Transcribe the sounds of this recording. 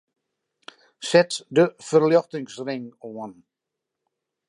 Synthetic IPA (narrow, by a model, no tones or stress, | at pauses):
sɛtdəfərljɔxtɪŋsrɪŋoən